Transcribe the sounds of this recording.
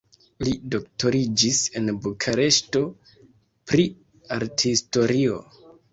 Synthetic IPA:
lido̞k̚to̞ɾid͡ʒise̞nbukʰaɾe̞ʃto̞ | pɾi | aɾthisto̞ɾio̞̰

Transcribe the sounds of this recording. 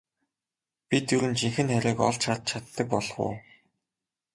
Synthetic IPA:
pʲit̪ːuɾɘ̆nt͡ɕiŋxɘ̆nχæɾʲiːkɔ̰ɮt͡ɕʰat̪̚t͡ɕʰat̪ːə̆k̚pɔɮχʊ̰ː

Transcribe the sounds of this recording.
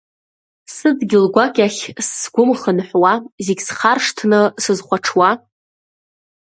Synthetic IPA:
sɨdɡʲɪlɡʷakʲʼaχʲsːɡʷʊmχənħʷwazeɡʲsχarʂtʰnɨsɨzχʷaʈ͡ʂʰwa

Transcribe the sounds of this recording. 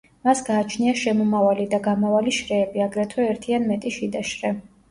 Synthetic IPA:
masɡaːt͡ʃʰniaʃɛmɔmavalid̪aɡamavaliʃɾɛːbiaɡɾɛt̪ʰwɛɛɾt̪ʰianmɛt̪ʼiʃid̪aʃɾɛ

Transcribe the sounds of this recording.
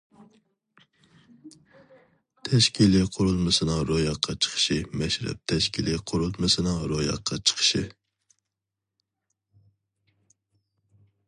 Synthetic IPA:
t̪ʰɛʃkʲʰiliqʰʊɾulˠmɨsɨnɨŋɾojɑqʰːɑt͡ʃʰə̥χʰə̥ʃɪmɛʃɾɛ̰p̚t̪ʰɛʃkʲʰiliqʰʊɾulˠmɨsɨnɨŋɾojɑ̰qʰːɑt͡ʃʰə̥qʰə̥ʃɪ

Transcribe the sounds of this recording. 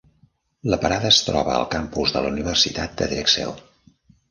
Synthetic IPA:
ləpəɾaðəːst̪ɾɔβəə̰lˠkampuzðələuniβ̞ərsit̪at̪̚d̪əðɾɛksɛ̰w

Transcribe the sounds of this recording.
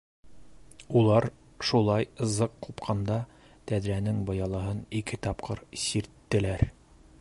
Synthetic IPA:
ulˠɑɾ | ʃulˠɑjɤ̆zɤqːupqʰɑnd̪ɑ | t̪æðɾænɘŋbŏjɑlˠɑɦɤnikɘt̪ɑpqʰɤɾsiɾt̪ːɘ̆læɾ

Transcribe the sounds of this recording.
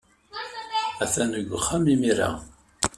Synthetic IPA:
æθænəɡʷːχːamimiɾa̰

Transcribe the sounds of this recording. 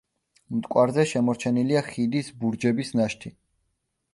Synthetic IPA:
mt̪ʼkʼwaɾzɛʃɛmɔɾt͡ʃʰɛniliaχid̪isbuɾd͡ʒɛbisnaʃt̪ʰi

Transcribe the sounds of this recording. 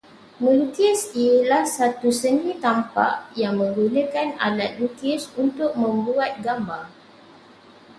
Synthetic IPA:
mut̪ɪsilahsat̪usənĩt̪ampa̰ʔjaŋmə̃ŋɡunə̃kana̰dat̪̚lut̪ɪsunt̪ʊk̚mə̃mbuat̪̚ɡambaŋ

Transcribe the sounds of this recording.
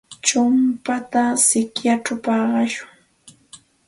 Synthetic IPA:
t͡ʃʊmpat̪asɪkjaʈ͡ʂapɑːɢɑʃʊŋ

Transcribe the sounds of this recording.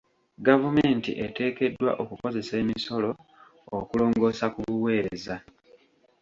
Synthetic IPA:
ɡavume̞ːntḭʔe̞te̞ːke̞dːwa̰ʔokuko̞ze̞se̞ːmiso̞lo̞̰ː | kulo̞ːŋɡo̞ːsakuβuwe̞ːɾeza

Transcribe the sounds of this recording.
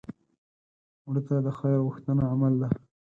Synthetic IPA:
wɽət̪ad̪əxɑjaɣʊxt̪anaamald̪a

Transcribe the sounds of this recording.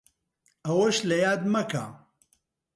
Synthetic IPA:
ɐwɐʃlɐjaːd̪mɐka̰ː

